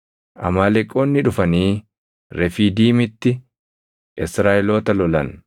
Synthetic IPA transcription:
ʔɐ̰maːlɛkʼːoːnːɪᶑʊfɐniː | ɾɛfiːd̪iːmɪt̪ːɪ | ʔɪsɾaːʔɪloːt̪ɐlɔlɐn

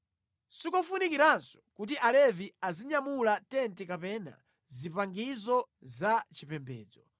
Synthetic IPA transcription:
sikɔfunikiɾansɔ̥kut̬iʔalɛviaziɲamulatɛntɛkapɛna̰ | zipaŋɡizɔ | zat͡ʃipɛmbɛ̰ːd͡zɔ

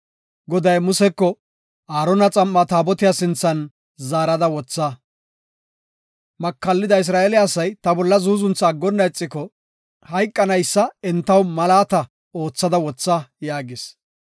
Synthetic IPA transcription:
ɡɔd̪ɐjmʊsɛkːɔ | aːɾɔnɐt͡sʼɐmːɐt̪aːbɔt̪ɪjasɪnt͡sːɐn | zaːɾɐd̪ɐwɔt͡sːɐ | mɐkːɐlːɪd̪ɐɪs̬ɾaːelɪːsɐjt̪ɐbɔlːɐzuːzʊnt͡sːɐːɡːɔnːɐɛt͡sʼːɪkɔ | hɐjkʼːɐnɐjsːɐɛnt̪ːɐwmɐlaːt̪ɐ | o̞ːt͡sːɐd̪ɐwɔt͡sːɐjaːɡɪs

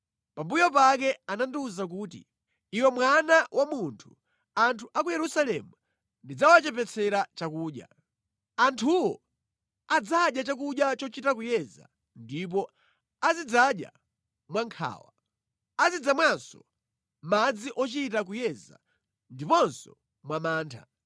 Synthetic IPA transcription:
pambujɔpakɛananduzak̬uːtḭ | iwɛmwanawʔamuntʰu̥ | antʰuʔakujɛɾusalɛmu | ndid͡zawat͡ʃɛpɛt͡sʰɛɾat͡ʃakuːɗja̰ | antʰuwɔ | ad͡zaɗjat͡ʃak̬uɗjat͡ʃɔt͡ʃitakujɛza̰ | ndip̬ɔ | azid͡zaɗja̰ | mwaŋkʰa̰ːwa | azid͡zamwansɔ̥ | mad͡ziʔɔt͡ʃitak̬ujɛza̰ | ndipɔnsɔ | mwamaːntʰa̰

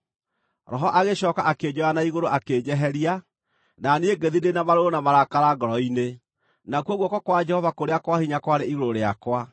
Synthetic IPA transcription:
ɾɔɦɔʔaɣeɕɔːkaʔaked͡ʒɔanaiɣoɾoʔaked͡ʑɛɦɛɾia | naneeɡeðidenamaɾoonamaɾakaɾaɡɔɾɔine | nakuɔɣwɔkɔkwad͡ʒɛhɔvakoɾeakwahiɲakwaɾeiɣoɾoɾeakwa

